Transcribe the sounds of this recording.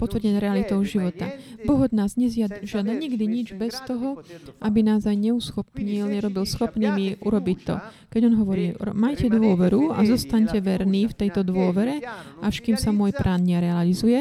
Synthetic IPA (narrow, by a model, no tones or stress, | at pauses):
pɔt̪ʋrɟɛɲɾɛalit̪ɔʊʒiʋɔt̪abɔɦɔd̪naːzɲɛzɪaʒɪad̪aɲiɡd̪iɲid͡ʒbɛst̪ɔɦɔʔabinaːzajɲɛusxɔpɲilɲɛɾɔbilsxɔpniːmiʔuɾɔbic̚t̪ɔ̰ | kɛɟɔnɦɔʋɔɾiːmajcɛd̪ʊɔʋɛɾua̰zɔst̪aɲcɛʋɛɾniːft̪ɛjt̪ɔd̪ʋʊɔʋɛɾɛaʃkiːmsamʊɔjpɾʔaːnɲɛɾɛalizujɛ